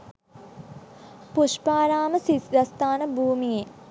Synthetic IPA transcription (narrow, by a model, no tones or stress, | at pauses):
puʃpaːɾaːməsisdɐst̪aːnəbʱuːmije